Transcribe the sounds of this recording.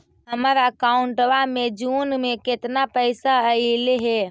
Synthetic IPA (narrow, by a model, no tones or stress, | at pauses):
ɦəmɾaəkaʊɳʈwamẽd͡ʒuːnmẽkɪt̪napəɪsaəileɦɛ